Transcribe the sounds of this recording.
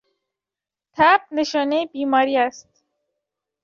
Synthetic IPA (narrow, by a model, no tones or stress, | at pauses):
t̪ʰæb̚neʃɒːnebiːmɒːɾiːæst̪̚